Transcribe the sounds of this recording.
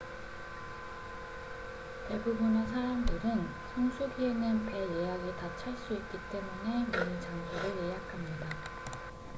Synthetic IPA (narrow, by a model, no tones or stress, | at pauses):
te̞bubunasʰaɾamdɯɾɯn | sʰaŋsʰuɡienɯnpe̞jejaɡitat͡ɕʰaɭs͈uit̚k͈it͈e̞mune̞monɯnt͡ɕaŋsʰoɾɯɭjejakʰamɲida